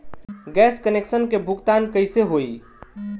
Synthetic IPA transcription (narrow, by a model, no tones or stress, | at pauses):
ɡɛːskəneksənkebʱukt̪ankəɪseɦoi